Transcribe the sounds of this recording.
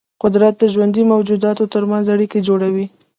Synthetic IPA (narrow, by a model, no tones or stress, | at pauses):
qʊd̪ɾat̪̚d̪əʒwand̪imawd͡ʒud̪ɑt̪ot̪əɾmanzaɽiked͡ʒoɽawi